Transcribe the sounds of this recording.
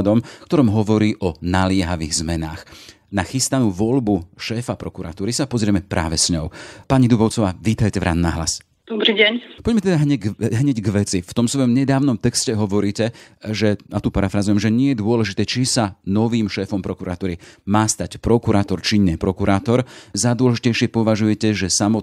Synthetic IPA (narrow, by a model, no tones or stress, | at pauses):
d̪ɔmfkt̪ɔɾɔmɦɔʋɔɾiːʔɔnalɪɛɦaʋiːɣzmɛnaːx | naxist̪anuːʋɔʎbuʃɛːfapɾɔkuɾa̰t̪uːɾisapɔzɾɪɛmɛpɾʔa̰ːʋɛsɲɔʊpaɲid̪ubɔʊt͡sɔʋaːʋiːt̪ajcɛvɾʔa̰nːa̰ɦla̰s | d̪̥ɔbɾiːɟɛɲpɔɟmɛt̪ɛd̪aɦɲɛɦɲɛɟɡʋɛt͡sift̪ɔmsʋɔjɔmɲɛd̪aːʊnɔmt̪ɛkscɛɦɔʋɔɾiːcɛʒɛnat̪upaɾafɾazujɛmʒɛɲɪɛjɛd̪ʊɔlɛʒit̪ɛːt͡ʃisanɔʋiːmʃɛːfɔmpɾɔkuɾat̪uːɾimaːst̪acpɾɔkuɾʔaːt̪ɔɾt͡ʃiɲɛpɾɔkuɾʔaːt̪ɔɾzad̪ʊɔlɛʒicɛjʃɪɛpɔʋaʒujɛcɛʒɛsamɔ